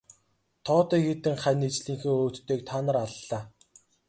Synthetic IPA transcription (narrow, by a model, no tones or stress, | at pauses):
t̪ʰɔːt̪iːxet̪ɘ̆ŋχænet͡ɕɮiːŋxɘ̆ŋoːt̪ːeːk̚t̪ʰaːnə̆raɮːaː